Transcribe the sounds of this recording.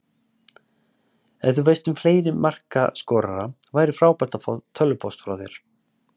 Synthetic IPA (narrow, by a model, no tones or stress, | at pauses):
ɛnθuveːjst̪ʏmfleːjɾɪmːar̥ka̰skɔːɾa̰ɾavaːjɾɪfɾaːwpɛr̥t̪at̪ʰœlːʏpʰɔst̪fɾa̰wðjɛ̰ɾ̥